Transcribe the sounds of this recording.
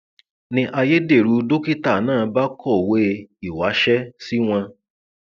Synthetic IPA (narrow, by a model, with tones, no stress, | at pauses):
nĩ˧ʔa˧je˦de˦˨ɾu˨˦do˦ki˦ta˦˨nãː˦˨˦ba˦kɔ˦˨we˦˧i˨wa˨˦ʃɛ˦si˦w̃ã˧